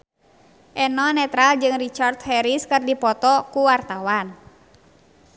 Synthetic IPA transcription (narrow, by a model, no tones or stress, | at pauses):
ʔɛnɔnɛt̪ɾald͡ʒɨŋrit͡ʃart̪̚hɛɾiskɨrdipɔt̪ɔkuwart̪awan